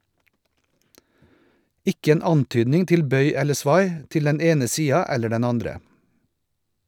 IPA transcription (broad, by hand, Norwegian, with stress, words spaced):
ˈɪk ˈeːn ˈɑnˌtyːdnɪŋ ˈtɪl ˈbœʏ ˈɛlə ˈsʋɑɪ ˈtɪl ˈdɛn ˈeːnə ˈsiːɑ ˈɛlə ˈɖɛn ˈɑndɾə